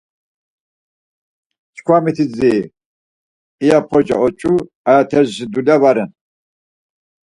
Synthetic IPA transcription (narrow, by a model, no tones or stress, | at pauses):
t͡ʃkʰwamit̪ʰid͡zi | japʰɔd͡ʒa̰ɔt͡ʃʼu | ajat̪ʰɛzʃid̪ulavaɾɛn